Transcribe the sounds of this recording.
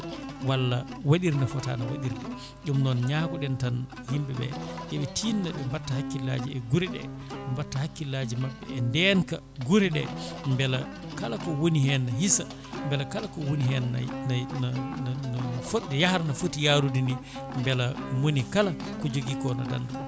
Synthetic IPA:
walːawaɗiɾnafɔta̰nawa̰ɗiɾdɛ | ɗumnɔnɲaːkɔɗɛntan | himbɛbɛ̰ʔɛɓɛtʰiːndaɓɛmbatːahakːila̰d͡ʒiɛɡuɾɛɗɛ̰ɛmbatːahakːilad͡ʒimaɓːɛ̰ɛndɛnka | ɡuɾɛɗɛ̰mbɛla | kalakɔwonihɛnːaɦisa | mbɛlakalakɔwoniɦɛnːa̰na | nfoɗːɛjahaɾnafotːijaɾudini | mbɛlawonikala | kɔd͡ʒoɡikɔna̰da̰nːdu

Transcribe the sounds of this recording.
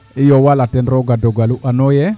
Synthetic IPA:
ɪjɔwalatɛnɾɔɡadɔɡaluʔanojɛ

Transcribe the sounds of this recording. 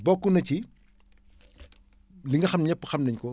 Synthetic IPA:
bɔkːunɐt͡ʃi | liŋɡɐxɐmɲɛpːəxɐmnɐɲkɔ

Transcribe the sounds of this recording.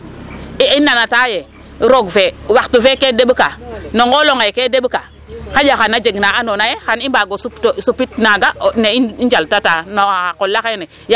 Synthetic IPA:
iinːanataje | ɾoɡfewaktufekedeɓkanoŋɡoloŋajkedeɓka | kad͡ʒaxanːad͡ʒeɡnaanonajexanibaːɡosuptosupitnaɡaneiind͡ʒaltatanoaakolːakane | j

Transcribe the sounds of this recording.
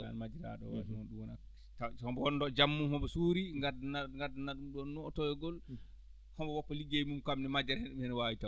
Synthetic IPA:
a̰nmad͡ʒiɾa̰ɗɔ̰wa̰mɔnɗuwɔnak | tahɔbɔɔndɔd͡ʒamːuhɔbɔsuːɾiŋɡadnaŋɡadnaɗumɗɔnːɔɔtɔjɛɡɔl | hɔmbɔwɔpːɔliɡeimumkamnɛmad͡ʒɛɾhɛnɗumhɛnwawita

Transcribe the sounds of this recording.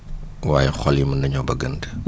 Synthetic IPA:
waːjɛxɔljimɐndɐɲɔbɐɡəndə̥

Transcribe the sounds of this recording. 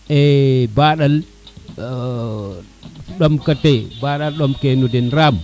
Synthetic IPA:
ɛbaɗal | ɗomkatebaɗalɗomkenudɛnɾam

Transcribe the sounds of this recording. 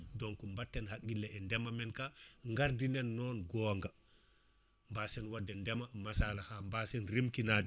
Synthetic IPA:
dɔŋkɔmbatːɛnhakːilːɛɛndɛmamɛnkaŋɡaɾdinɛnːɔːnɡɔːŋɡa | mbasɛnwadːɛndɛmamasalahambasɛnɾimkinad

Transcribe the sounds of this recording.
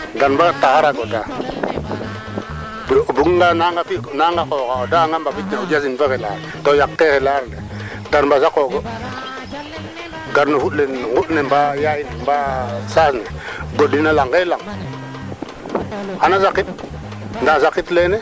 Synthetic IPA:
danbatahaɾaɡoda | buɡŋɡanaŋɡafinaŋɡakoːkaodaŋɡambabitneud͡ʒasinfekela̰ɾtojaktehelaɾne | danmbazakoɡo | ɡaɾnofutlenŋɡutnembajajinmbasasneɡodinalaŋkelaŋ | anazakit̚ | ndazakitlene

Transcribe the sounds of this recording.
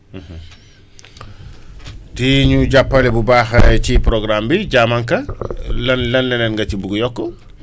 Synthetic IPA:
tiɲuɟapːɐlɛbubaːxɐcipɾoɡɾambiɟamaŋkɐlɐnlɐnlɛnɛnɡɐt͡ʃibuɡujɔkːɔ

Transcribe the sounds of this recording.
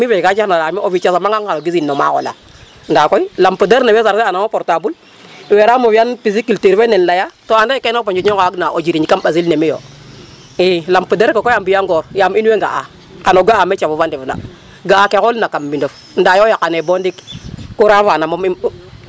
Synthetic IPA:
mivekat͡ʃanalamiovit͡ʃasamaŋɡaŋaɡizinːoma̰ko̰la̰ | ndakoilampudeɾnawezaɾseanamopoɾtabul | weɾamovjanpizikultiɾenenlajatoandaikenopond͡ʒookaaknaʔod͡ʒiɾiɲikamɓazilnemijo̰ | ilampudeɾkokojambijaŋɡoɾjaminweŋɡa̰a̰ | kanoɡaamet͡ʃavuvandivuna̰ | ɡaakekolnakamːindof | n̩dajojakanebondikkuɾavanamomim

